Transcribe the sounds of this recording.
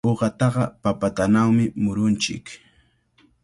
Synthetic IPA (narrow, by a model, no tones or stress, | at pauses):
oɢɑt̪ɑɢɑpapat̪anawmɪmʊɾʊnt͡ʃɪ̰k